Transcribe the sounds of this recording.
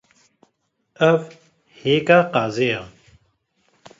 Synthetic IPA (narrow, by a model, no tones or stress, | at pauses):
ɐv | heːkaːqaːzeja